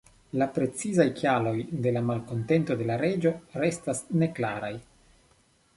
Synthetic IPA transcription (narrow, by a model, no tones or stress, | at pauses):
lapɾe̞t͡sizajkjalo̞jde̞lamalko̞nte̞nto̞de̞laɾe̞d͡ʒo̞ɾe̞stasne̞klaɾaj